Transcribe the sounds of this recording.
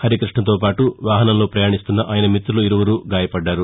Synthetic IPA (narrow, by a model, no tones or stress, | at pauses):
hɐɾikɾiʂʈɳɐnt̪̬o̞ːpaːʈuʋaːɦɐnɐmlo̞ːpɾɐjaːɳist̪unːɐʔaːjɐnɐmit̪ɾuluiɾuʋɐɾuːɡaːjɐpɐɖːaːɾu